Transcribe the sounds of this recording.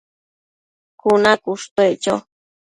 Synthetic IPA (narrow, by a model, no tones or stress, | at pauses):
kunakuʂt̪oeʔt͡ʃo